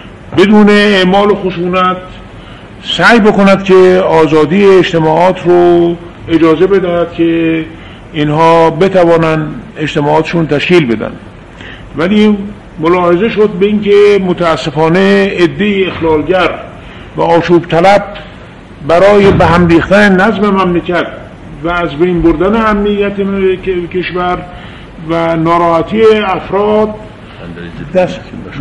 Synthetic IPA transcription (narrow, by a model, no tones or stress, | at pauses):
be̞d̪uːneeʔmɒːloxoʃuːnæt̪ | sæjbe̞konæd̪̥cʰeɒːzɒːd̪iːeːd͡ʒt̪e̞mɒːɒːt̪ʰɾo | ed͡ʒɒːze̞be̞d̪æhæd̪̥kʲʰe | inhɒːbe̞t̪ʰævɒːnænd̪ed͡ʒt̪emɒːɒːt̪e̥ʃuːnt̪ʰæʃkiːlbe̞d̪æ̰nd̪ | væliː | molɒːhe̞ze̞ʃod̪̚beinke̞mot̪ʰæːsːe̞fɒːne̞ːd̪ːe̞iexlɒːlɟæɾ | væɒːʃuːbt̪ʰælæb̚ː | æɾɒːjebæɦæmɾiːxt̪ænenæzme̞mæmlecæt̪ | væːzbe̞jnboɾd̪æne̞æmnijːæt̪ekʰe̞ʃvæɾ | vænɒːɾɒːhæt̪ʰieæfɾɒːd̪̚ | d̪æs